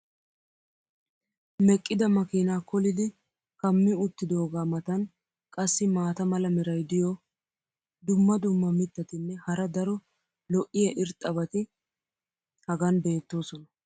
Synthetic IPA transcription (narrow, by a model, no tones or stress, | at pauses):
mɛkʼːɪd̪ɐmɐkiːnaːkɔlɪd̪ɪ | kɐmːɪʊt̪ːɪd̪o̞ːɡaːmɐt̪ɐn | kʼɐsːɪmaːt̪ɐmɐlɐmɪɾɐjd̪ɪjɔ | d̪ʊmːɐd̪ʊmːɐmɪt̪ːɐt̪ɪnːɛhɐɾɐd̪ɐɾɔ | lɔʔɪjɐʔɪɾt̪ʼɐbɐt̪ɪ | hɐɡɐnbe̞ːt̪ːo̞ːsɔnɐ